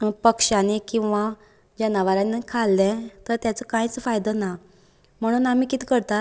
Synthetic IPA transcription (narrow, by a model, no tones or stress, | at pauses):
pəkʂanekĩw̃ʋa | d͡ʑənaʋaɾanekʰalːɛ̃t̪əɾt̪jat͡səkãit͡sfajd̪əna | m̤əɽ̃uːnam̤iːkit̪i̥kəɾt̪a